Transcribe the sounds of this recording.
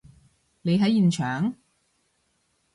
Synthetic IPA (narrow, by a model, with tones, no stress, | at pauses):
le˨˧jɦɐ˨˥jiː˨˩nt͡ʃʰœː˨ŋ